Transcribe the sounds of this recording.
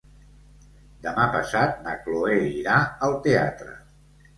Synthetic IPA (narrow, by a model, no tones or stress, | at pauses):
d̪əmapəsat̪̚nəkloeiɾaəlˠt̪ea̰t̪ɾə̰